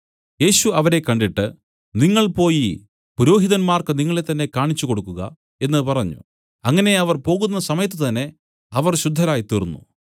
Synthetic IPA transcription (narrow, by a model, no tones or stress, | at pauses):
je̞ːɕuɐʋɐɾe̞kːɐɳɖiʈːɨ | niŋːɐɭpo̞ːji | puɾo̞ːɦiðɐnmaːrkɨniŋːɐɭe̞t̪ːɐnːe̞kaːɳit͡ɕːuko̞ɽukːuɣɐ̰ | e̞nːɨpɐrɐɲːṵ | ɐŋːɐne̞ɐʋɐrpo̞ːɣunːɐsɐmɐjɐt̪ːɨt̪ɐnːe̞ | ɐʋɐrɕud̪ʱːɐɾaːjit̪irunːṵ